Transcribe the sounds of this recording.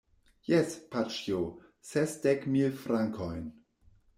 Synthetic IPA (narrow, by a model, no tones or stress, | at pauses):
jɛspʰat͡ʃjo | sɛsd̥ɛkmilfɾaŋkʰɔɪn